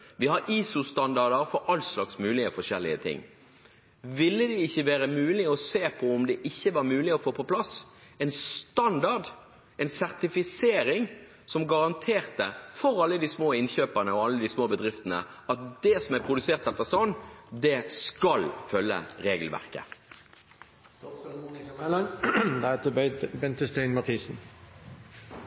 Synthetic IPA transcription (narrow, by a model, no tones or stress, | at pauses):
ʋɪhɑɾiːsʊst̪ɑnd̪ɑʁd̪əɾfɔɾʔɑlslɑksmʉːlɪəfɔʂɛlːɪ̰ət̪ʰɪ̰ŋː | ʋɪlːəd̪ɛɪçːəʋæːɾəmʉːlɪɔseːpʰɔʊmd̪ɛʔɪçːəʋɑːɾmʉːlɪɔfoːpɔpʰlɑsɛnst̪ɑnd̪ɑɖ | ɛɪnsæʁt̪ɪfɪseːɾɪŋ | sɔmɡɑʁɑnt̪ʰeːɾt̪əfɔɾɑlːəd̪iːsmoːɪnçøːpəʁnəɔɑlːəd̪iːsmoːbəd̪ʁɪft̪ənə̰ɑt̪̚d̪ɛsɔmæɾpʰʁʊd̪ʉseːʁt̪ɛt̪ːəʁsɔnːd̪ɛskɑlfœlːə̰ʁeːɡəlʋæ̰ʁkə̰ | mɛlɑnd̪ɛæt̪əb̪bɛnt̪əst̪eɪnmɑt̪ʰiːsn̩